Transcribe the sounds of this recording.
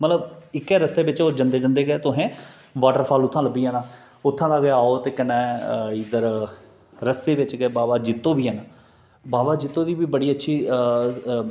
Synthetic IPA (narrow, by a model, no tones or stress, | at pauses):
mət̪ləbɪkːɛːɾəst̪eːbɪt͡ʃoːd͡ʒənd̪eːd͡ʒə̃nd̪eːɡɛːt̪ʊɦẽː | ʋaːʈəɾpʰaːlʊt̪ʰːãːləbiːɛːnãː | ʊt̪ʰːãːd̪aːɡeaːoːt̪eːkənɛ̃ːiːd̪əɾ | ɾəst̪eːʋɪt͡ʃɡɛːbaːbaːd͡ʒɪt̪ːõːbiːɦɛːnaː | baːbaːd͡ʒɪt̪ːõːd̪iːbiːbəɽiːətːʃʰiː